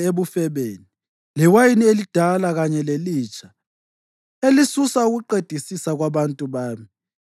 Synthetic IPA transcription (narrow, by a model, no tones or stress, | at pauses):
eβufɛβeːni | liwajinielid̥ʱalaɣaɲɛleliːt͡ʃʼa | elisusauɣuǃed̥ʱisisaɣwaβantʼuβaːmi